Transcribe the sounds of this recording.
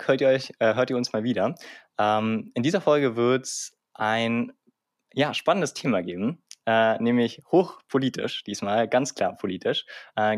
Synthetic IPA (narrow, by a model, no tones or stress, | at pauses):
høːɐtiːɐɔʏçʔɛːɦøːɐtiːɐʊnsmaːlviːdɐʔɛːmʔɪndiːzɐfɔlɡəvɪɐts | ʔaɪn | jaːʃpanəndəstʰeːmaɡeːbm̩ʔɛːnɛːmlɪçhoːxpʰoliːtʰɪ̰ʃd̥iːsmaːlɡant͡skl̥a̰ːɐpʰoliːtʰɪʃʔɛː